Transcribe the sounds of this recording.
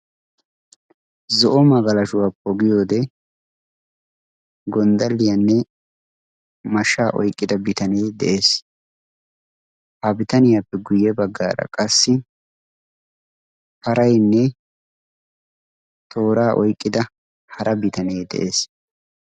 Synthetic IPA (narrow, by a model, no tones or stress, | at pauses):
zɔʔɔmɐɡɐlɐʃʊwapɔɡɪjoːd̪ɛ | ɡɔnd̪ɐlːɪjanːɛ | mɐʃːaːʔɔ̰jkʼːɪd̪ɐbɪt̪ɐneːd̪ɛ̰ʔe̞ːs | hɐbɪt̪ɐnɪjaːpːɛɡʊjːɛbɐɡːa̰ːɾɐ̰kʼɐsːɪ | pɐɾɐjnːɛ | t̪ʰo̞ːɾaːʔɔjkʼːɪd̪ɐ | hɐɾʔɐbɪt̪ɐneːd̪ɛ̰ʔe̞ːs